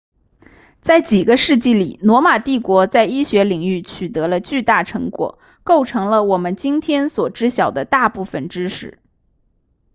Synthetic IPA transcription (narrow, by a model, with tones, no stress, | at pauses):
t͡sa˥˩ɪt͡ɕi˨˩ɡə˦ʂɻ̩˥˧t͡ɕi˥˩lḭ˨˩nwɔ˧˥ma˨˩t̪i˥˩kwɔ˧˥t͡sa˥˩ɪi˥ɕɥɛ˧˥li˨˩ŋy˥˩t͡ɕʰy˨˩t̪ɤ˧˥lə˧t͡ɕy˥˧t̪a˥˩ʈ͡ʂʰɤ˧˥ŋkwɔ̰˨˩˦ | ko˥˩ʊʈ͡ʂʰɤ˧˥ŋlə˧wɔ˨˩mə˦nt͡ɕi˥nt̪ʰjɛ˥nswɔ˨˩ʈ͡ʂɻ̩˥ɕjɑ˨˩ʊd̪ə˦t̪a˥˧pu˥˩fə˨˩nʈ͡ʂɻ̩˥ʂɻ̩˥˩˦